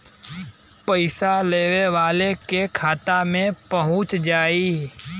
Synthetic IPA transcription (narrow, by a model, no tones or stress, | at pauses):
pəɪsaleːʋeʋaːlekekʰaːt̪amẽpəɦʊ̃t͡ʃd͡ʒaːiː